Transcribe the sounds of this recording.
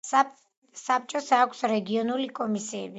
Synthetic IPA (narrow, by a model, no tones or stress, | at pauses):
sap̚t͡ʃʼɔsakʷʰsɾɛɡiɔnulikʼɔmisiɛ̰bi